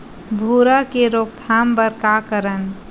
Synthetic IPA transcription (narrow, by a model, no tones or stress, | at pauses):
bʱuɾəkeɾokt̪ʰambəɾkakəɾən